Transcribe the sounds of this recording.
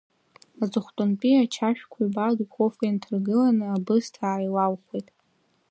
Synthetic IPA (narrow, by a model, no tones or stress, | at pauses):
azɨχʷtʼʊnpʼiat͡ʃʰaʃᶣkʷʰaibaɡkʷʰofʼantʰɨrɡɨlanɨabɨztʰaːjlawχʷejtʼ